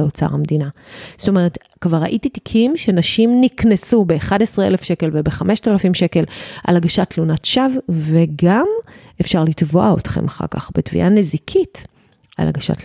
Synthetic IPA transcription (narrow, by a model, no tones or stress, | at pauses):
eot͡sa̰ʁamd̪inasto̞meʁet | kvaʁa̰ʔititi̥kʰimʃenaʃimniknesube̞ːχadesʁeelefʃe̞ke̞lvebeχame̞ʃtalafimʃe̞ke̞lʔa̰laɡaʃatlunatʃavveɡamʔefʃaʁlitvo̞ʔaotχḛmaχa̰ʁka̰χbetvḭʔanezikʰit | a̰la̰ɡaʃa̰t